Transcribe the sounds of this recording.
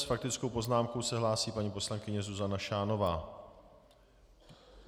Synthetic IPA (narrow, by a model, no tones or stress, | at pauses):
sfak̚t̪ɪt͡skowpo̞znaːmko̞wsɛɦlaːsiːpaɲiːpo̞slaŋkɪɲɛzuzanaʃaːno̞vaː